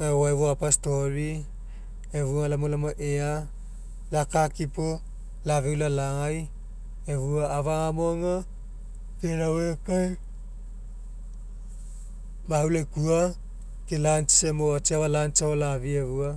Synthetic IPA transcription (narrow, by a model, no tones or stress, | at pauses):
aaeβoapastoɾi | eβualamolamoʔea | lakakipo | lavewlalaŋaj | eβuaːvaŋamoŋa | keɾawekaj | mahulekua | kelant͡ʃi̥semoat͡ʃiaβalant͡ʃaolavieβua